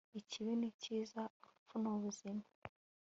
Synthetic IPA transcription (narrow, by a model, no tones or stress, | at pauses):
iciβiniciːzaufunoβuzima